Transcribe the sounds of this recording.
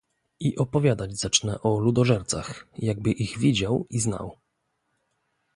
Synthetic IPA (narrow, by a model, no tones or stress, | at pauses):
iʔɔpɔvʲjad̪ad͡ʑzat͡ʂnɛʔɔlud̪ɔʐɛɾt̪sa̰xjaɡ̚bɘʔiɣvʲid͡ʑawizna̰w